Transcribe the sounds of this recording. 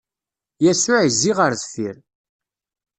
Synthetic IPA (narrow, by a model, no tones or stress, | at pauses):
jæsʊʕizːiʁəɾðθiɾ